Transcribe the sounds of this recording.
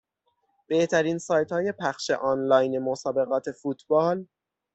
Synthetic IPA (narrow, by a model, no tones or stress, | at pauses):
b̥e̞ht̪ʰæɾiːnsɒːjt̪hɒːje̞pʰæχʃe̞̰ʔɒnlɒːjnemosɒːbe̞ɣɒːt̪ʰe̞fuːt̪ʰbɒːl